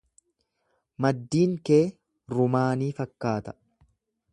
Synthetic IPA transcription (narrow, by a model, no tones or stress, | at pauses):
mɐd̪ːiːŋke̞ː | ɾʊmaːniːfɐkːaːt̪ɐ̥